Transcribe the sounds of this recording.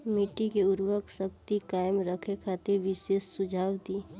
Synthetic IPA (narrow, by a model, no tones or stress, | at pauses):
mɪʈikeʊɾwəksək̚t̪ikaːɪmɾəkʰekʰaːt̪eɾʋɪʃeːsːʊd͡ʒʱaːwd̪iː